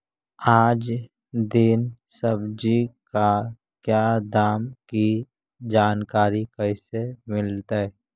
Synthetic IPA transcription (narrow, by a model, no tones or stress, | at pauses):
aːd͡ʒ | d̪ɪnsəbd͡ʒika | kjaːd̪aːmki | d͡ʒaːnkaːɾikəɪsemɪlt̪aɛ